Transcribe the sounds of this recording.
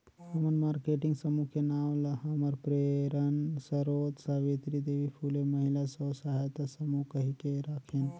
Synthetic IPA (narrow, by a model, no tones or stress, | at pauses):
ɦəmənmaɾkeʈiŋɡsəmukenamlɦəməɾpɾeɾənsəɾod̪sabet̪ɾid̪ebipʰuleməɦilasəwsaɦet̪asəmukəɦikeɾakʰen